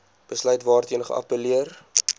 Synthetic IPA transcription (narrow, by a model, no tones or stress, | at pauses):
b̥əslœɥtvɑːrtiənəχə̰ʔɐ̰pəliər